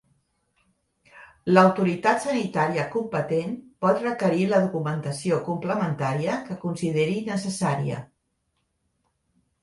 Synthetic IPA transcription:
ləwt̪uɾit̪at̪sənit̪aɾiəkumpət̪enpɔt̪rəkəɾiləðukumənt̪əsiokumpləmənt̪aɾiəkəkunsiðeɾinəsəsaɾiə̰

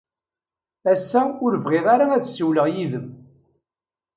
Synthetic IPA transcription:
æsːæʊɾəvʁeðˤaɾaæθsːiwləʁjiðəm

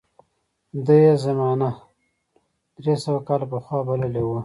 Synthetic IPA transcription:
d̪əjezamɑna | d̪̥ɾesawakɑlapəxwɑbaləlewu

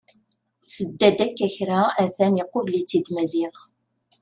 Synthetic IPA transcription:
θəd̪ːæd̪ækːæçɾaæθæniqːovlit͡sːid̪mæziʁ

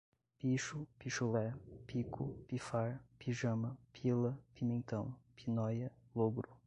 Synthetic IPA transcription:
piʃʊpiʃolɛɾpikʰʊ̰pifaɾpiʒɐ̃mɐpʰilɐpimẽnt̪ɐ̃w̃pinɔjɐloɡɾʊ

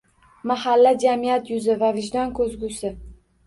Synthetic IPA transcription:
mahalːad͡ʒamijat̪jʊzɪvavɪʒd̪ɒnkʰɵzɡusɪ

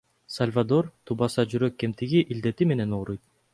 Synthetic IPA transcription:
salʲvad̪o̞rt̪ʰubɑsɑd͡ʒyɾøkːe̞mt̪iɡiʔild̪e̞t̪ime̞ne̞noːɾujt̪̚

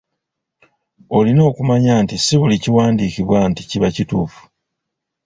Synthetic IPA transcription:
o̞lino̞ːkumaɲaːntisiβuliciwaːndiːkiβwanticiβacituːfu̥

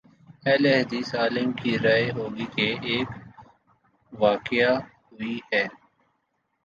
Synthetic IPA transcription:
ɛːleɦd̪iːsaːlɪmkiɾaːeɦoːɡikeʔeːk | ʋaːkɪjaɦʊihɛː

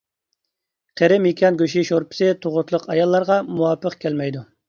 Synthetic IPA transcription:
qʰeɾɪmikʲʰɑnɡʲøʃiʃoɾpɪ̥sɪt̪ʰoʁʊt̪ʰlˠəqɑjɑlˠːɑɾʁɑmuwɑpʰːəqkʲʰælmɛjd̪u

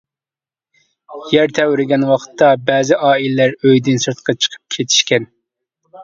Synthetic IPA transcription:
jæɾt̪ʰɛwɾɪɡʲɛnwɑqʰt̪ʰːɑbɛːzɪʔɑːilɪlæɾøjd̪ɪnsɨɾt̪qʰɑt͡ʃʰə̥qʰə̥p̚kʲʰet̪ʰi̥ʃkʲɛn

